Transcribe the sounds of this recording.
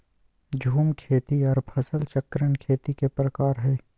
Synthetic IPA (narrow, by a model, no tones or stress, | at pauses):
d͡ʒʱuːmkʰeːt̪iɔːɾpʰɐsəlt͡ʃɐkɾənkʰeːt̪ikepɾəkaːɾɦɛː